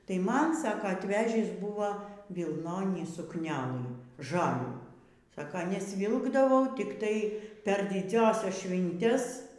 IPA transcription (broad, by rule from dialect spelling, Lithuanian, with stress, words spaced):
tɐɪ ˈmɐn ˈsɑːkoː ɐtʲˈʋʲæːʒʲiːs ˈbuːʋɐ ʋʲɪlˠˈnoːnʲiː sʊkˈnʲæːlˠɨ ˈʒɑːlʲuː ˈsɑːkɐ nʲɛsʲˈʋʲɪlˠɡdɐʋɐʊ tʲɪkˈtɐɪ pʲɛr dʲɪˈd͡zʲæːsʲɛs ˈʃʲʋʲɪnʲtʲɛs